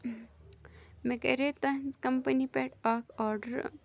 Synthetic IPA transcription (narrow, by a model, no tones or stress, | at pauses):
mekɐ̰ɾet̪ɐnzkɐmpənipɛʈaːkʰɔːɾɖəɾ